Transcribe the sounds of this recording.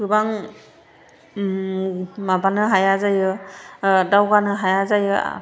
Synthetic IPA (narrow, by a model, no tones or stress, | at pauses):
kʰɯbaŋ | mabanɯɦajazajɯ | dawɡanɯɦajazajɯ̰